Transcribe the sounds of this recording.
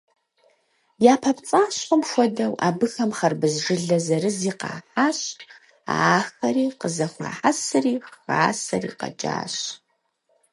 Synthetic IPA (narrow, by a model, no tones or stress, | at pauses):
jaːpʰɐpt͡sʼaːɕʼɔmxʷɔdɐwa̰ːbɨxɐmχɐrbɨzʐɨɮɐzɐɾɨziːqɑ̰ːħaːɕ | a̰ːxɐɾiːqəzɐxʷa̰ːħasɨriːxxaːsɐ̰rḭːqɐ̰d͡ʒa̰ːɕ